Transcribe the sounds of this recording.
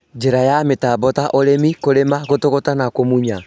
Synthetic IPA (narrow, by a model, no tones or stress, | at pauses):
d͡ʒeɾajametabɔtaʔoɾemikoɾemaɣotoɣotanakomuɲa